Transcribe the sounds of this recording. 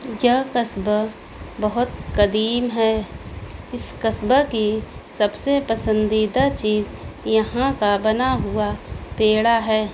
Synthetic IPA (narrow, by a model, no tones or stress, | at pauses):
jəkəsb | bəɦʊt̪̚kɐd̪iːmɦɛː | ɪskəsbəkisəbsepəsə̃nd̪iːd̪at͡ʃiːzjɐɦãkabɐnaɦʊapeːɽaɦɛː